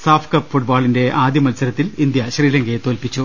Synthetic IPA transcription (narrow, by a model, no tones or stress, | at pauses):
saːfʰkɐpfuʈbaːɭinde̞aːd̪jɐmɐlsɐɾɐt̪ːilind̪jɐɕriːlɐŋɡet̪oːlpit͡ɕːu